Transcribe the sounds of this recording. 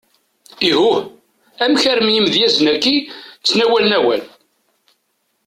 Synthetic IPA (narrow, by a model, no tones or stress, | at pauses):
iɦuh | æmçæɾəmjimðjæznækːit͡sːnæwælnæwæ̰l